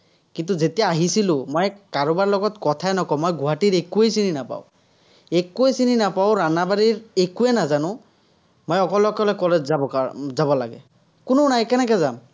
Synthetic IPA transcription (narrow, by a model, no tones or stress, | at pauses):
kint̬uzetijaːɦisilʊ̃mɔjkaɹʊbaɹlɔɡɔtkɔtʰajnɔkɔmɔjɡʱʊɦatiɹekuejsininapa̰ʊ | ekuesininapaʊɹanabaɹiɹekuɛnazanʊ̃ | mɔjɔkɔlɛɔkɔlɛkɔlɛd͡ʒabɔazabɔlaɡɛ̰ | kʊnʊnajkɛnɛkɛzam